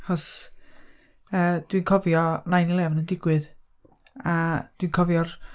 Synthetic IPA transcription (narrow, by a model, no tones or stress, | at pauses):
aχɔs | əːd̥winkʰɔvjɔnajnilˠɛvnəndɪɡwɨð | ad̥winkʰɔvjɔr